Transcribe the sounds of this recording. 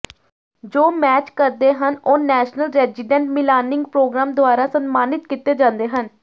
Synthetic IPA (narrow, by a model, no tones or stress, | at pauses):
d͡ʒoːmɛːt͡ʃkəɾd̪eːɦənoːnɛːʃnəlɾɛːzɪɖɛ̃ɳʈmɪlaːnɪ̃ŋɡpɾoːɡɾãːmd̪ʊaːɾãːsənmaːnɪt̪̚kit̪eːd͡ʒãːnd̪eːɦən